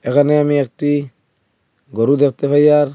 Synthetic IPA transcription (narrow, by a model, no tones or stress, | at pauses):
ekaneamiek̚ti | ɡoɾutek̚tefajaɾ